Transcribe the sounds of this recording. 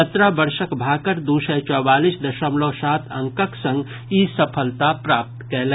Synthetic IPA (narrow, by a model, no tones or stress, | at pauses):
ət̪ɾabəɾsəkbʱaːkəɾd̪usət͡ʃɔːbaːlisd̪əʃəmlosaːt̪ʰə̃ŋkəksə̃ŋɡ | isəpʰəlt̪apɾaːp̚t̪kɛɦlɛ̃